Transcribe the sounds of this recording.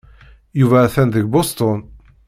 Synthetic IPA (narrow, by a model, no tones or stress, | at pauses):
juvæθænðəɡbost̪on